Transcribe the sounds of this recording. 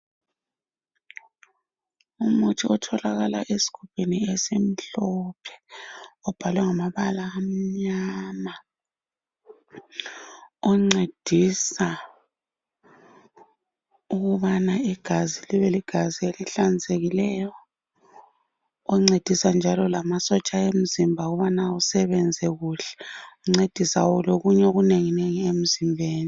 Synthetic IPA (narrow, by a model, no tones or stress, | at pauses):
umutʰiɔtʰɔlaɣalaʔesi̥kʰupʰeniesem̩ɬɔpʰɛ̥ɔb̥ʱalwɛŋamaβalaːm̩ɲaːma | ɔŋ͡ǀed̥ʱisa | uɣuβanaiɡ̥ʱaziliβeliɡ̥ʱazieliɬand͡zʱeɣilɛjɔ | ŋ͡ǀed̥ʱisand͡ʒʱalɔlamasɔt͡ʃʼaem̩zimbʱauɣuβanausɛβɛnd͡zʱɛɣuɬɛ̥uŋ͡ǀed̥ʱisawɔloɣuɲɛɣuneŋineŋiem̩zimbʱeːni